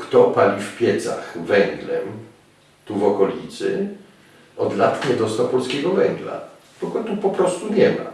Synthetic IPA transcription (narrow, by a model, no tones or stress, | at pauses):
kt̪ɔpalʲifpʲjɛt̪sa̰xvɛŋɡlɛm | t̪uvɔkɔlʲit̪sɘ | ɔd̪lat̪ɲɛd̪ɔst̪awpɔlskʲɛɡɔvɛŋɡla̰ | b̪ɔɡɔt̪upɔpɾɔst̪uɲɛma̰